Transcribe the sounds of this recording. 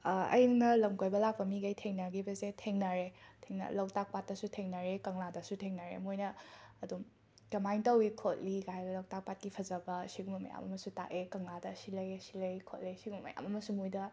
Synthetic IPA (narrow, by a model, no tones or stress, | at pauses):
ɐ̰jnɐlɐmkojbɐlak̚pɐmiɡɐjtʰeŋnɐɡibɐsetʰeŋnɐɾetʰeŋnɐ̰lɐwtak̚pat̚ːɐsutʰeŋnɐɾekɐŋladɐsutʰeŋnɐɾḛmojnɐːdum | kɐmajntɐwikʰot̚liɡajbɐlɐwtak̚pat̚kipʰɐzɐbɐsiɡumɐmɐ̰ja̰mɐ̰mɐsuta̰ʔekɐŋladɐsilɐjesilɐjkʰot̚lejsiɡumɐmɐ̰ja̰mɐmɐsumojdɐ